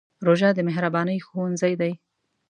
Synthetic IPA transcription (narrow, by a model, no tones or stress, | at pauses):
ɾoʒɑd̪əmɪɦɾabɑnəjxowanzajd̪aj